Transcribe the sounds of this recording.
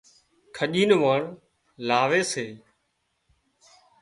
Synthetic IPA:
kʰəʄiːnʋaːɳ | laːʋeːseː

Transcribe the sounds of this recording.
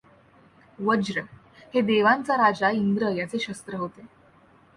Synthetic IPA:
ʋəd͡ʑɾə | hed̪eʋãnt͡saɾad͡zaind̪ɾəjat͡seɕəst̪ɾəɦot̪e

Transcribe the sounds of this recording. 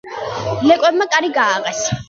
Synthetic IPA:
nɛkʼɛbmakʼaɾiɡaːʁɛs

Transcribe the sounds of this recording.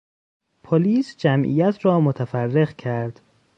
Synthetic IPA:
pʰoliːsd͡ʒæmʔḭjæt̪ʰrɒːmot̪ʰæfærːe̞ɣcʰæɾd̪̥

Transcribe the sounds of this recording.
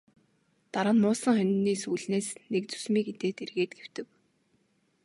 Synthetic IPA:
t̪aɾə̆nmʊːsə̆ŋχœnʲniːsuːɮneːsnek̚t͡su̥smiːket̪eːt̪erɣeːt̪̚ɡew̥t̪ɘ̆k

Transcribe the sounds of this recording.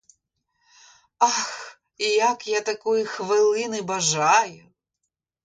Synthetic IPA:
ax | ijakjat̪akujixʋɪlˠɪnɨbɐʒajʊ

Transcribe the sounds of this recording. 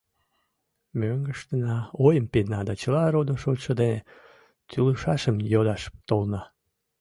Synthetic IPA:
møŋɡəʃt̪ənɑojəmpenɑd̪ɑt͡ɕəlɑɾod̪oʃotʃəd̪ene | t̪yləʃɑʃəmjod̪ɑʃt̪olnɑ

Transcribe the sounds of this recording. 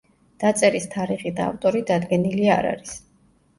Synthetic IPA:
d̪̥at̪sʼɛɾist̪ʰaɾiχid̪a̰ːft̪ʼɔɾid̪ad̪ɡɛnilia̰ɾa̰ɾis

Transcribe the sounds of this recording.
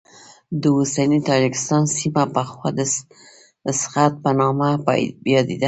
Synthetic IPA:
d̪əosanit̪ɑd͡ʒɪkɪ̥st̪ɑnsimapəxwɑd̪ə | sxat̪̚pənɑma̰jɑd̪ed̪a

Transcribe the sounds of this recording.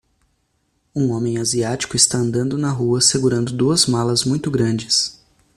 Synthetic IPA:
ũõmẽj̃aziat͡ʃi̥kʊɪst̪aɐ̃nd̪ɐ̃nd̪ʊnɐɦuɐseɡuɾɐ̃nd̪ʊd̪uɐzmalɐzmũj̃t̪ʊɡɾɐ̃nd͡ʒɪs

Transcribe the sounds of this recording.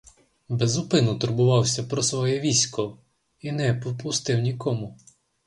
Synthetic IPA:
bɛzʊpɪnʊt̪ʊrbʊʋɑwsʲɐpɾɔsʋɔjɛʋʲisʲkɔ | inɛpɔpʊst̪ɪwnʲikɔmʊ

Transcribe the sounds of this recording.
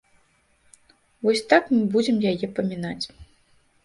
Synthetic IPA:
vɔsʲt̪akmɨbud͡zʲɛmjajɛpɐmʲinat͡sʲ

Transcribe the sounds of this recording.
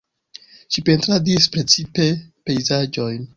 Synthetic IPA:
ʃipe̞ntɾadispɾe̞t͡sipe̞pe̞jzad͡ʒo̞jn

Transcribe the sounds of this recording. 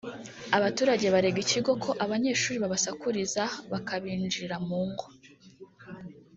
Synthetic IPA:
aβatuːɾaɟe̞βaɾe̞ɡiciɡo̞kʰo̞ʔaβaɲe̞ːʃuːɾiβaβasakuɾizaβakʰaβiːnd͡ʒiɾamuːŋɡo

